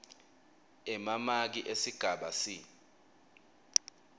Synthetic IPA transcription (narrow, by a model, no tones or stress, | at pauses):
ɛmamak̬iʔesiɡ̥ʱaɓasi